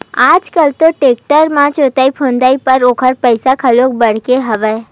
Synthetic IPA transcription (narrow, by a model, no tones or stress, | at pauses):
aːd͡ʒkəlt̪oʈeːk̚ʈəɾmãt͡ʃoːt̪aːipʰõːnd̪aːipɐɾoːkʰəɾpəɪsakʰɐloːk̚bɐɽ̤keɦɐʋəe